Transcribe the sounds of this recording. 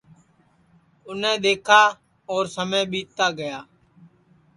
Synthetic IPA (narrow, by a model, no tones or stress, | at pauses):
ʊnẽːɗ̪eːkʰaː | ɔːɾsəmẽːɓiːt̪aːɡəjaː